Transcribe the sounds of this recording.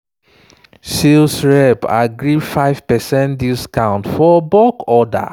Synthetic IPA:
silsɹɛba̰ɡɹifaɪv̥pɛsɛ̃ntdiskãʊ̃ntfɔbɔkɔda̰

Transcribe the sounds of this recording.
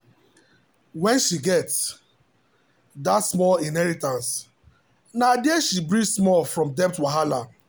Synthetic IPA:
wɛ̃nʃiɡɛts | datsmɔlĩnɦɛɹitãns | nadiɛʃibɹismɔlfɹɔ̃mdɛp̚twaɦala

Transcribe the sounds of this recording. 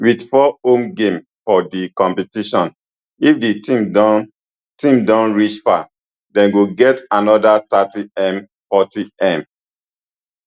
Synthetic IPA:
widfɔõmɡẽm | fɔdikɔ̃mpɛtiʃɔ̃n | ifditĩmdɔ | tĩmdɔ̃nɹit͡ʃfa | dɛ̃nɡoɡɛtanɔdatatiɛ̃m | fɔtiɛ̃m

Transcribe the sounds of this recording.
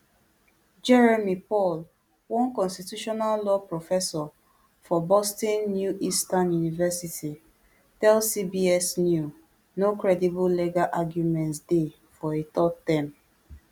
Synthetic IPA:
d͡ʒɛɹemipɔl | wɔ̃nkɔ̃nstitjuʃɔnallɔpɹofɛsɔ | fɔbɔstɔ̃nːjuʔistãnjunivɛsiti | tɛlsibiɛsnju | nokɹɛdibulleɡaʔaɡjumɛ̃ntsde | fɔetɔttɛ̃m

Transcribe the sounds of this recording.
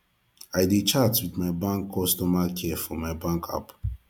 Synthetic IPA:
aɪdet͡ʃatwiðmaɪbãŋkʰːɔstɔmakʰɛfɔmaɪbãŋkʰa̰p

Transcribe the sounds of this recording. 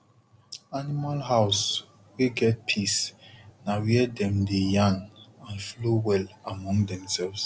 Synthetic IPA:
animalɦaʊs | wiɡɛt̚pʰisnawiɛdɛ̃mdejãnãnflowɛlamɔ̃ŋdɛ̃msɛlvs

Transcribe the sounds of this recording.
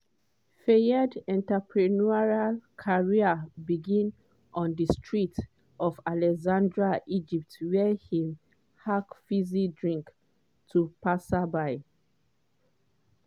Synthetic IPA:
fejədɛ̃ntapʰɹinuaɹalkʰaɹiabiɡĩn | ʔɔ̃ndistɹit | ʔɔvalɛkzãndɹaʔid͡ʒip̚twɛhĩm | hakfizidɹĩŋk | tʰupasabaɪ

